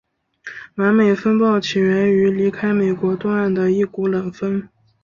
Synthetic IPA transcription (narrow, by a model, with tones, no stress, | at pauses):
na˧˥nme˨˩ɪfə˥npɑ˥˩ʊt͡ɕʰi˨˩ɥɛ˧˥ny˧˥li˧˥kʰa˥ɪme˨˩ɪkwɔ˧˥t̪wɔ˥˧a˥˩nd̪ə˩i˥˩ku˧˥lə˨˩ŋfə˥n